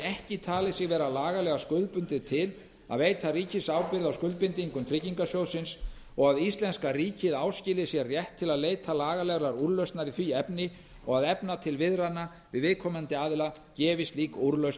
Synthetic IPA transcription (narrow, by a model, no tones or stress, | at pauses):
ɛhcɪt̪ʰaːlɪsɪɣvɛːɾalaːɣalɛɣaskʏðlpʏnt̪ɪðt̪ʰɪl | a̰ðveːjt̪ʰariːcɪsaːwpɪɾðawskʏlpɪnt̪iiŋkʏmt̪ʰɾɪciŋkasjowðsɪns | ɔɣaðist̪lɛnskariːcɪðaːwscɪlɪsjɛrjɛht̪ʰːɪlaðleːjt̪ʰalaːɣalɛɣlaɾuɾlœɥst̪naɾɪθviɛpnɪ | ɔɣaðɛpnat̪ʰɪlvɪðɾanːa | vɪðvɪðkʰɔːmant̪ɪaːðɪla | cɛːvɪst̪liːkuɾlœɥst̪